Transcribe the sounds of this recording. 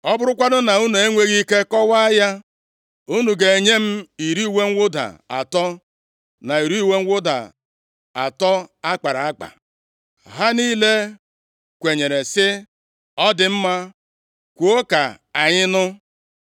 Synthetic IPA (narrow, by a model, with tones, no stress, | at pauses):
ɔ˦bʊ˦ɾʊ˦kʷa˦dʊ˦na˨u˦nu˨e˦ŋʷe˦ɣi˦ke˦kɔ˦wa˦a˦ja˦ | u˦nu˨ɡe˨e˨ɲe˦m̩˦i˨ɾi˦˨we˦ŋ̩˦wʷʊ˦da̰˨a̰˨tɔ˦ | na˨i˨ɾi˦˨we˦ŋ̩˦wʊ˦da̰˨ | a̰˨tɔ˦a˦k͡pa˨ɾa˨a˦k͡pa̰˨ | ɦa˦niː˦le˦ | kʷe˨ɲe˨ɾe˨sɪ˦ | ɔ˦dɪ˨m̩˦ma˦ | kʷu˨o˦ka̰˨ | a˨ɲɪ˦nʊ˦